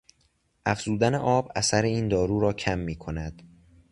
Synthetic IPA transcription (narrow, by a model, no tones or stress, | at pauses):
ʔæfz̥uːd̪æneʔɒːbæsæɾeiːnd̪ɒːɾuːɾɒːcʰæmːiːkʰo̞næd̪̥